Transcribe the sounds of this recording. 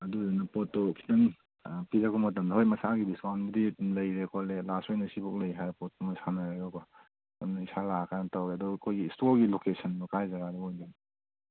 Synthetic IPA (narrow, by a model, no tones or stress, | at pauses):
ɐduzinɐpɔtːɔkʰi̥tɐŋ | pizakɔmɐt̬ɐmdɐɦojmɐsaɡibiswanbɐdilɐjɾekʰɔlelasɔjnɐsibɔk̚lɐjɦajɾapɔt̚ːɔmasanaɾaɡakɔ | amnɐisalakanɐtawɾeɐdɔkʰojɡistoɡilokesɐnbɔkajzaɡaɾɔojdan